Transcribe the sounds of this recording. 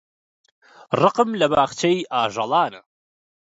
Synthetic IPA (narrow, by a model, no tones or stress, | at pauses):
rɨqɨmlɐbaːχt͡ʃʰejʔaːʒɐlˠɑːnɨ